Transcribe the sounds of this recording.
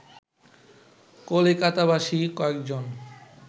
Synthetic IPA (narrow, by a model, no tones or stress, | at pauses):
kolekat̪abaʃikɔekd͡ʑon